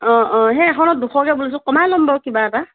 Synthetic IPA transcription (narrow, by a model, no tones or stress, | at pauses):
ɔ̃ʔɔ̃ɦɛ̃ɛxʰɔnɔt̚duxʰɔkɛbulis̬ɔkɔmalɔmbɔwkibaɛta